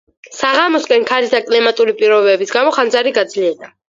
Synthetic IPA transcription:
saʁamɔskʼɛnkʰalisd̪ʰakʼlɛmat̪ʼuɾipʼiɾɔbɛbisɡamɔχand̪zaɾiɡad̪zliɛɾd̪a

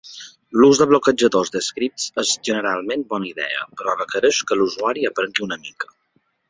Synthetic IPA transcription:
luzd̪əβlokəd͡ʒəðozd̪əskɾip̚t͡səzʒənəɾalˠmẽnbɔnəiðɛ̰ə̰pəɾɔβəkəɾəʃkəluzuaɾiəpɾəŋɡiunəmikə̥

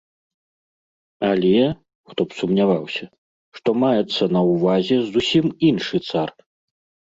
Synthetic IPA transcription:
alʲɛ | xt̪ɔpsumnʲavawsʲɐ | ʂt̪ɔmajɛt̪sːɐnɐwvazʲɛzusʲiminʂɨt̪sar

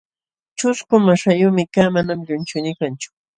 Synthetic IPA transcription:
t͡ʃʊskʊmaʃajʊːmɪkaːmanamʎʊnt͡ʃʊnɪkant͡ʃʊ̥

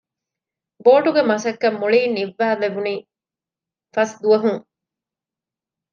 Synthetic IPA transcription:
boːʈuɡemɐsɐkːɐmːuɭiːniʋːæːleʋuniː | fɐsd̪uɐɦuŋ

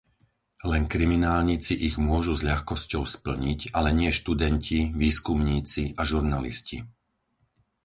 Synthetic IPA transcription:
lɛnkɾiminaːlɲit͡siʔiɣmʊɔʒuzʎaxkɔscɔʊspl̩ɲiɟalɛɲɪɛʃt̪ud̪ɛncʰiʋiːskumɲiːt͡siʔaʒuɾnalḭscḭ

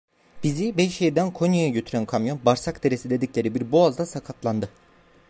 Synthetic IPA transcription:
b̥izibɛjʃejd̪ænkʰo̞njojaɟøt̪ʰyɾænkʰamjo̞nbaɾsakd̪e̞ɾesid̪e̞d̪iclʲe̞ɾibiɾboazd̪asakʰat̪lˠand̪ɯ

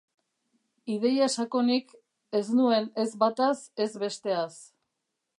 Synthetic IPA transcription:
ið̞e̞jasako̞nik | e̞znue̞ne̞zβat̪ase̞zβe̞st̪e̞as

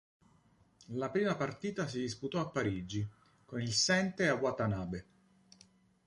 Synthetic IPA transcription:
lapɾiːmapart̪iːt̪as̬id̪isput̪ɔapːaɾid͡ʒi | konilsɛnt̪eawat̪anaːbe

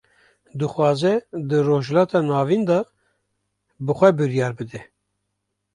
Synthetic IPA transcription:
d̪ɨxwɑːzɛd̪ɨroːʒlɑːt̪ʰɑːnɑːvind̪ɑ | bɨxʷɛbɨɾjɑːɾbɨd̪ɛ

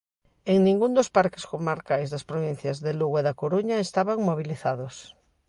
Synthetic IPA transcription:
eŋnĩŋɡund̪ospaɾkeskomaɾkajzðaspɾoβ̞in̟θjazðeluɣeðakoɾuɲaest̪aβaŋmoβ̞iliθaðos

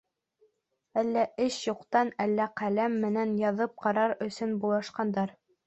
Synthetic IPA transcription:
ælːæʔɘʃjuqt̪ɑnælːæqælæmːɘ̆nænjɑðɤp̚qɑɾɑɾɵ̆sɵnbulˠɑʃqɑnd̪ɑɾ

